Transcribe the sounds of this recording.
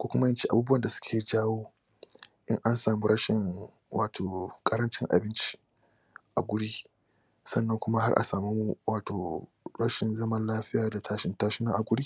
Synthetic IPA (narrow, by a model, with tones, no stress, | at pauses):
kʷuː˦kʷʊ˦ma˦jɪ˦nt͡ʃi˦ʔa˨buː˦bu˦wɐ˨nda˨sʊ̥˦kʲʰeː˨d͡ʒaː˦woː˦ | ʔɪ˦ŋʔa˦nsaː˨mu˦ɽɐ˦ʃɪ˨ŋ | wʔaː˨tʰoː˨kʼɐ˦ɾɐ˦nt͡ʃɪ˦ŋʔa̰˨bɪ˦nt͡ʃi̥˦ | ʔa˨ɡʷʊ˦ɽiː˦ | sɐ˦nːɐ˦ŋkʷʊ˦ma˦ha˦rʔa̰˨saː˨me˦mu˦wʔaː˨toː˨ | ɽɐ˦ʃɪ˨nzɐ˦mɐ˦nlaː˦ɸɪ˦jaː˨da˨tʰaː˦ʃɪ˦ntaː˦ʃɪ˦nɐ˦ʔa˨ɡʷʊ˦ɽiː˦